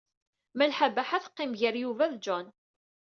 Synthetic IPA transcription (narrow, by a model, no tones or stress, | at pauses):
mælħabæħaθqːɪmʝəɾjuvæðd͡ʒɔn